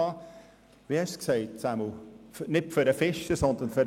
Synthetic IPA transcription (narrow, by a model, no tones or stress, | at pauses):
ɑ | ʋihɛʃskseɪtsæmufnɪtføɾəfɪʃəsɔnd̪ənføɾ